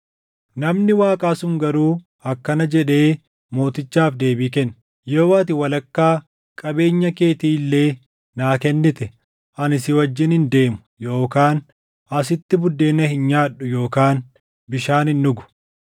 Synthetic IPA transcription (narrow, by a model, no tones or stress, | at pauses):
nɐmnɪwaːkʼaːsʊŋɡɐɾuː | ɐkːɐnɐd͡ʒɛᶑe̞ː | mo̞ːt̪ɪt͡ʃːaːfd̪e̞ːbiːkɛnː | joːwaːt̪ɪwɐlɐkːaː | kʼɐbe̞ːɲːɐke̞ːt̪iːlːe̞ː | naːkɛnːɪt̪ɛ | ʔɐnɪsɪwɐd͡ʒːɪnhɪnd̪e̞ːmʊ̥ | jo̞ːkaːn | ɐs̬ɪt̪ːɪbʊd̪ːe̞ːnːɐhɪnɲaːᶑːʊjo̞ːkaːn | bɪʃaːnɪnːʊɡʊ̥